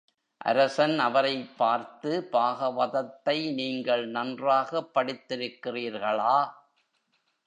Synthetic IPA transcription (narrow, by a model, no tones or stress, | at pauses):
ʔɐ̰ɾɐsɐnɐʋɐɾɐɪpːaːɾt̪ɯpaːɣɐʋɐðɐt̪ːɐɪniːŋɡɐɭnɐndraːɣɐpːɐɽɪt̪ːɪɾɯkːɪriːɾɣɐɭaː